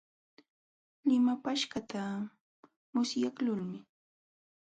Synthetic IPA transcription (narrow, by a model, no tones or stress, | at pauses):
lɪmapaʃkat̪a | mʊsjaklʊlmɪ